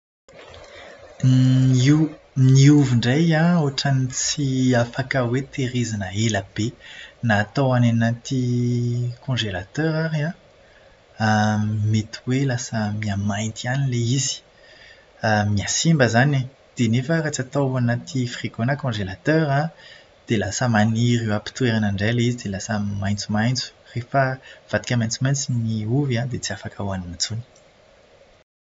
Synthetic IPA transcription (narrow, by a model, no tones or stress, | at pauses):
iw | niuviɳɖ͡ʐajãoʈ͡ʂanit͡siafakəwet̪eʁizanəelab̥enaːt̪awananat̪i | kʰɔ̃ʒelat̪œʁaʁiã | met̪ʰiwelasəmiamaj̪t̪ianileizi̥ | əmiasimbəzane | d̪̥enefərat͡sət̪awanat̪ʰifrikonakɔ̃ʒelat̪œʁã | d̪̥elasəmaniʁyapi̥t̪ueʁanaɳɖ͡ʐelizid̪elasəmaj̃t͡sumajnt͡su̥refəv̥ad̪ikʲəmajnt͡sumaj̃nt͡siniuvãd̪et͡siafakawanimat͡suni̥